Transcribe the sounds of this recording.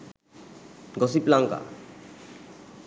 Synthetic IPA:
ɡɔsiplaŋka̰

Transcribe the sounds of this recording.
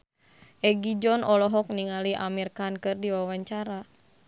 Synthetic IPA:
ʔɛɡid͡ʒɔnʔɔlɔɦɔk̚niŋaliʔa̰mirkankɨrdiwawaɲt͡ʃaɾa

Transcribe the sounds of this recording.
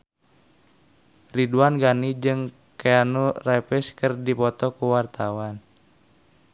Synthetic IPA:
riduanɡanid͡ʒɨŋ | keanurɛpɛskɨrdipɔt̪ɔkuwart̪awan

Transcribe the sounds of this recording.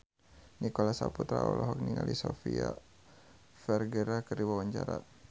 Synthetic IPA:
nikɔlasaput̪ɾaɔlɔɦɔk̚niŋalʔisɔfia | fɛrɡɛɾakərdiwawaɲt͡ʃaɾa

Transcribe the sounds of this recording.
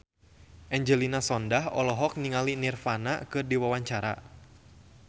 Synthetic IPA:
ʔɛɲd͡ʒəlinasɔndahɔlɔɦɔk̚niŋalinirfana̰kɨrdiwawaɲt͡ʃaɾa̰

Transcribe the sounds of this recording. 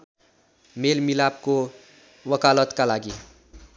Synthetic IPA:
melmilab̚ko | wəkalət̪kalaɡi

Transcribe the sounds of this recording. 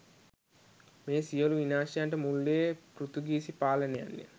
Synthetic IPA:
meːsijoluʋinaːʃaɳʈɐmuɭːeːpɾut̪uɡiːsipaːlɐneɐ̰nːḭ

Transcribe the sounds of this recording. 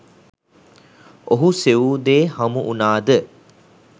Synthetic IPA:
oɦuseuːd̪eːhɐmuʔunaːd̪ə

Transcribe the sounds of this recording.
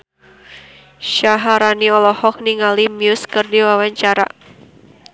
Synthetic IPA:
ʃaɦaɾaniɔlɔhɔk̚niŋalimjʊskɨrdiwawaɲt͡ʃaɾa̰

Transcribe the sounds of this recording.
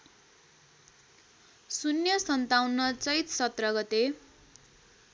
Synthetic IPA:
sunjʌsʌnt̪awnːʌt͡sʌjt̪sʌt̪rʌɡʌt̪e

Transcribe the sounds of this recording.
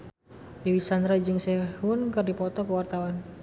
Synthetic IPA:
diwisand̪ɾad͡ʒɨŋsɛhunkɨrdipɔt̪ɔkəwart̪awan

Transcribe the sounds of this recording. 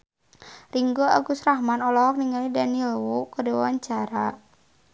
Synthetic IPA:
riŋɡoa̰ɡusrahmanɔlɔk̚niŋalidanilwukədewwaɲt͡ʃaɾa

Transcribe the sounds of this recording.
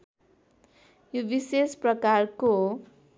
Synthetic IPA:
jobisesprʌkarko

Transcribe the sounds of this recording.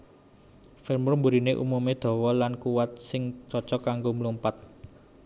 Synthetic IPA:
fɪrmʊrmbuɾineʔṵmumed̪̥ɔ̤wɔlankuwat̪̚sɪŋt͡ʃɔt͡ʃɔkaŋɡoməlumpat̪̚

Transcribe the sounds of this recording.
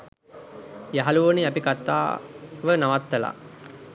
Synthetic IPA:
jaɦaluʋəniapikat̪ːa̰ːʋənaʋat̪ːəla̰

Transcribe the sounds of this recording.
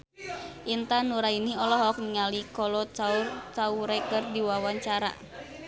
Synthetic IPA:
ʔint̪anuɾainiɔlɔɦɔk̚niŋalikɔlɔt͡ʃaurt͡ʃauɾɛkərdiwawaɲt͡ʃaɾa̰

